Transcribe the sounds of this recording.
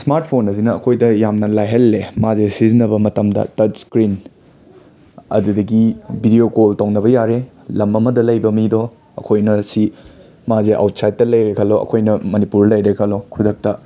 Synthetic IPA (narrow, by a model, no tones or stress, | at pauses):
smaɾt̚pʰonɐzinɐɐkʰojdɐjamnɐlajɦɐlːemazesizinɐbɐmɐtɐmdɐ̰tɐtskɾin | ɐ̰dudɐɡibʱidijokoltɐwnɐβɐjaɾe | lɐmːɐmɐdɐlɐjbɐmido | ɐ̰kʰojnɐsi | mazeʔa̰wtsajt̚ːɐlɐjɾekʰɐloɐ̰kʰojnɐmɐnipuɾlɐjɾekʰɐlokʰudɐk̚tɐ